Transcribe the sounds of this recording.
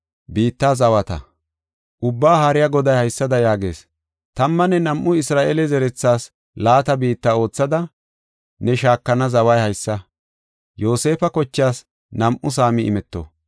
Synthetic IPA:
biːt̪ːaːzɐwɐt̪ɐ̰ | ʔʊbːaːhaɾɪjɐɡɔd̪ɐjhɐjsːɐd̪ɐjaːɡe̞ːs | t̪ɐmːɐnɛnɐmʔʊɪsɾaːʔeːlɛzɛɾɛt͡sːaːs | laːt̪ɐbiːt̪ːao̞ːt͡sːɐd̪ɐ | nɛʃaːkːɐnɐzɐwɐjhɐjsːɐ | jo̞ːse̞ːfɐkɔt͡ʃːjaːs | nɐmʔʊs̬aːmɪʔɪ̰mɛt̪ːo̰

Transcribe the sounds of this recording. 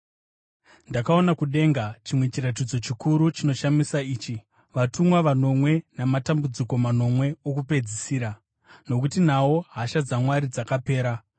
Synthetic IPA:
ndakao̞nakuɗe̞ːŋɡat͡ʃimwe̞t͡ʃirat̬id͡zo̞t͡ʃikuɾut͡ʃino̞ʃamisaiːt͡ʃi | ʋatumwaʋano̞mwe̞namatambud͡ziko̞mano̞mwe̞okupe̞d͡zisiːɾa | no̞kutinawo̞ɦaʃad͡zamwaɾid͡zakape̞ːɾa

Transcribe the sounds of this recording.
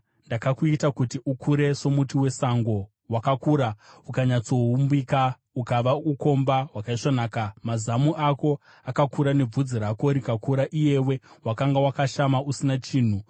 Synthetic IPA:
ndakakuitakutiʔukʰuɾe̞so̞mutiwe̞saŋɡo̞ | wakakuːɾaukaɲat͡so̞ɦumbika | ukaʋauko̞mbaɦwakaiʂonaːkamazamuʔako̞ | akakuɾane̞b͡vud͡ziɾako̞ɾikakuɾaʔije̞we̞wakaŋɡawakaʃamausinat͡ʃiːn̤u

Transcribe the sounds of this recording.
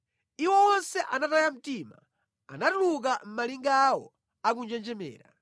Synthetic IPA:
iwɔwɔnsɛʔanatajam̩tiːma̰ | anatuluk̬am̩maliŋɡawɔ̰ | ak̬und͡ʒɛnd͡ʒɛmɛ̰ːɾa

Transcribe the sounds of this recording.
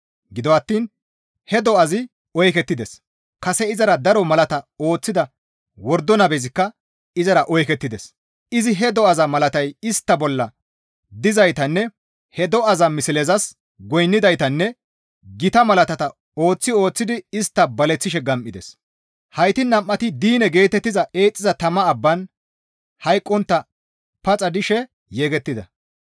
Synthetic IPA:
ɡɪd̪ɔɐt̪ːiːn | hɛd̪ɔɐzɪ | ɔjkɛt̪ːɪd̪ɛs | kɐsɛɪzɐɾɐd̪ɐɾɔmɐlɐt̪ɐo̞ːt͡sːɪd̪ɐ | wɔɾd̪ːɔnɐbɛzɪkːɐ | ɪzɐɾɐʔɔjkɛt̪ːɪd̪ɛs | ɪzɪɦɛd̪ɔɐzɐmɐlɐt̪ɐjɪst̪ːɐbɔlːɐ | d̪ɪzɐjt̪ɐnːɛ | hɛd̪ɔɐzɐmɪsɪlɛzɐs | ɡɔjnːɪd̪ɐjt̪ɐnːɛ | ɡɪt̪ɐmɐlɐt̪ɐt̪ɐ | o̞ːt͡sːɪo̞ːt͡sːɪd̪ɪɪst̪ːɐbɐlɛt͡sːɪʃɛɡɐmʔɪd̪ɛ̰s | hɐjt̪ɪnːɐmʔːɐt̪ɪd̪iːnɛɡe̞ːt̪ɛt̪ːɪzɐʔe̞ːt͡sʼːɪzɐt̪ɐmɐːbːɐn | hɐjkʼːɔnt̪ːɐ | pɐt͡sʼɐd̪ɪʃɛ | jeːɡɛt̪ːɪd̪ɐ

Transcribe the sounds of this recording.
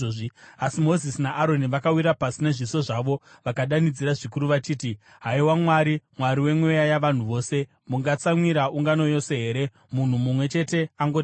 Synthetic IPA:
asimo̞zisinaʔaɾo̞niʋakawiɾapasine̞ʐiso̞ʐaʋo̞ | ʋakaɗanid͡ziɾaʐikuɾuʋat͡ʃiːti | ɦaiwamwaɾimwaɾiwe̞mwe̞jajaʋan̤uʋo̞ːse̞ | muŋɡat͡samwiɾaʔuŋɡano̞jo̞se̞ɦe̞ːɾe̞ | mun̤umumwe̞t͡ʃe̞te̞aŋɡoti

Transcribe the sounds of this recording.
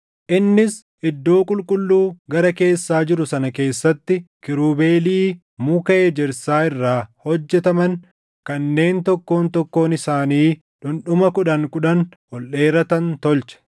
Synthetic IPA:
ʔɪnːɪs | ʔɪd̪ːo̞ːkʼʊlkʼʊlːuːɡɐɾɐke̞ːsːaːd͡ʒɪɾʊsɐnɐke̞ːsːɐt̪ːɪkɪɾuːbe̞ːliː | mʊkɐʔed͡ʒɛɾsaːɪrːaːhɔd͡ʒːɛt̪ɐmɐŋ | kɐnːe̞ːnt̪ɔkːo̞ːnt̪ɔkːo̞ːnɪsaːniː | ᶑʊnɗʊmɐkʊᶑɐŋkʊᶑɐnhɔlʔeːɾɐt̪ɐnt̪ɔlt͡ʃɐ̥

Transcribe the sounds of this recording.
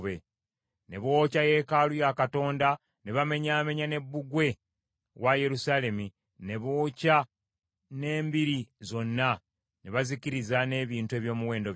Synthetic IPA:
βe | ne̞βo̞ːcaje̞ːkalujakato̞ːnda | neβame̞ɲame̞ɲane̞bːuɡwe̞ | waje̞ɾusaːle̞mi | ne̞βoːca | ne̞ːmbiɾizo̞nːa | neβaziciɾizane̞ːβiːntue̞ːβjo̞ːmuwe̞ːndo̞β

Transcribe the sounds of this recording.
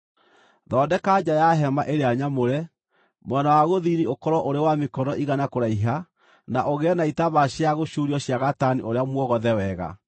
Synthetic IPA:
ðɔːdɛkad͡ʑajaɦɛmaʔeɾeaɲamoɾɛ | mwɛnawaɣoðiniokɔɾɔʔoɾewamekɔnɔʔiɣanakoɾaiɦa | naʔoɣeɛnaitaβaɕeaɣoɕuɾiɔɕjaɣataniʔoɾeamwɔɣɔðɛwɛɣa̰

